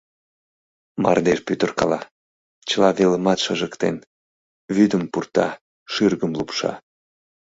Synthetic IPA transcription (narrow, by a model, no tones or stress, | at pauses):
mɑ̰rd̪eʃpyt̪ərkɑlɑ | t͡ɕəlɑβeləmɑt̪ʃəʒəkt̪en | vyd̪əmpurt̪ɑ̰ | ʃyrɣəmlupʃɑ̰